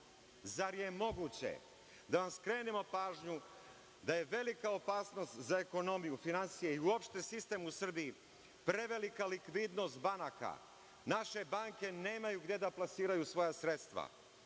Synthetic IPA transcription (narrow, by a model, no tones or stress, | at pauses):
zaɾje̞mo̞ɡut͡ɕe̞̰ | d̪aʋamskɾe̞ːnemo̞paːʒɲu | d̪aje̞ʋe̞likao̞paːsno̞st̪zae̞ko̞no̞mijufinansijeiuo̞pʃt̪e̞sist̪e̞musr̩biji | pɾe̞ʋe̞likalikʋid̪no̞st̪banaka̰ | naʃe̞baŋke̞ne̞ːmajuɡd̪je̞d̪aplasiːɾajusʋo̞jasɾet̪st̪ʋa̰